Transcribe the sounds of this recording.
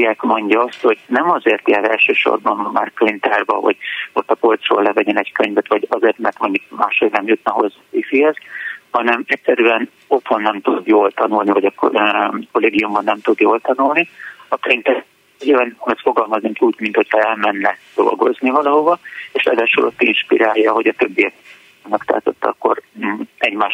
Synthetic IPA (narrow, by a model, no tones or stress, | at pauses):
akmo̞ɲɟɒɒst̪ho̞ɟnɛmɒzeːrt̪jaːɾɛlʃøːʃo̰rbɒnmma̰ːrklint̪ɛrbɒvɒ̰ɟ̥o̞t̪ːɒpolt̪ro̰ːlːɛvɛɟɛnɛckøɲvɛt̪ʋɒɟɒzeːrt̪mɛrt̪mo̞ɲɟuk̚ma̰ːʃonɛmjut̪̚nɒɦo̞̰zːɒfifihɛzhɒnɛmɛcʲsɛɾyɛn | o̞t̪ho̞nːɛmt̪ud̪joːlt̪ɒnulnivɒɟɒ | ko̞leːɡijumbɒnːɛmt̪ud̪joːlt̪ɒnulniɒkːøint̪ɛ | ɒnosfo̞ɡɒlmɒzniŋkuːɟmint̪ho̞chɒɛlmɛnːɛd̪̥o̞̰lɡo̞̰znivɒlɒɦo̞vɒeːʃɛ̰d̪ɛʃulʔot̪ːinʃpḭɾaːjːɒɦo̞ɟɒt̪øbːijɛk | mɛkt̪a̰ːt̪ot̪ːɒ̰kːo̞̰rɛɟmaː